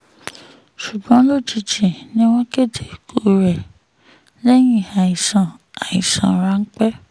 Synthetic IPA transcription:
ʃu˨ɡ͡bɔ̃˨˦lo˦˨ti˧d͡ʒi˨nĩ˦w̃ɔ̃˦ke˦˨dʰe˨kʰo˦˨ɾɛ˨ | lɛ˦j̃ĩ˦˨a˨i˨sã˨a˨i˨sã̰˨ɾa˨˦ŋ̩˦k͡pɛ˦

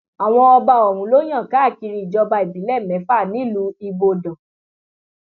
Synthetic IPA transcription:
a˨w̃ɔ̃˧ɔ˧ba˧ɔ˨ɾ̃ũ˨˦lo˦j̃ã˦˨ka˨˦˨ki˧ɾi˧i˨d͡ʒɔ˧ba˧i˨bi˨˦lɛ˦˨mɛ̃˨˦fa˦˨nĩ˨˦lu˧˦i˧bo˧dɔ̃˨

